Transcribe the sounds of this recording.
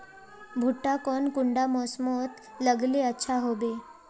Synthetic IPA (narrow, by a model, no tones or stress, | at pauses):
bʱuʈːakɔnkuɳɖamɔsmot̪ | ləɡleətːɕʰaɦobe